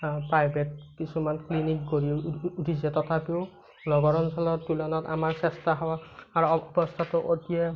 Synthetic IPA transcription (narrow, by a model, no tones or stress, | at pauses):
pɹajbʱet̚kisumanklinik̚ɡoɹiutʰisɛtɔtʰapiʊ | nɔɡɔɹɔnsɔlɔɹtulɔnɔta̰maɹsɛstʰaɦɔwaːɹuɔbɔstʰatʊʔotijɛ